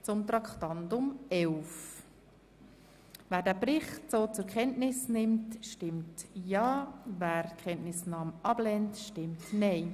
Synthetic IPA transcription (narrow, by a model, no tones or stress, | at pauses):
t͡sʊmt̪ɾɑkχtɑndʊmɛʊf | væːɾdæːbɾɪχtt͡soːt͡sʊɾkχɛntnɪsnɪmtʃtɪmtjɑːvæːɾkχɛntnɪsnɑːmʔɑb̥lɛntʃtɪmtnɛɪ